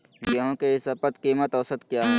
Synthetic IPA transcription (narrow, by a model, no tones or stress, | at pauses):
ɡeɦõkeɪsɐpət̪kimət̪ɔːsət̪kjaːɦ